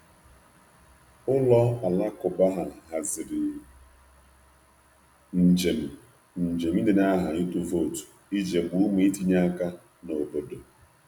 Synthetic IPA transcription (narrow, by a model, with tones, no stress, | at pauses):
ʊ˦lɔ˦a˨la˦kʊ˨ba˦ɦa˨ɦa˨zɪ˨ɾɪ˨ | n̩˨d͡ʒe˨m̩˨ | n̩˨d͡ʒe˨mi˦nɪ˨na˦ɦa˨ɲi˦tu˨vo˦˨tu̥˨ | i˦d͡ʒe˨ɡ͡bu˦me˦i˦ti˦ɲa˦a˦ka˦ | no˨bo˦do˨